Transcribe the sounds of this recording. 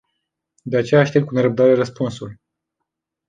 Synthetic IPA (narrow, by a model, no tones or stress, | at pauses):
d̪e̞at͡ʃe̞jaːʃt̪et̪̚kuneɾəb̚d̪aɾe̞rəspunsul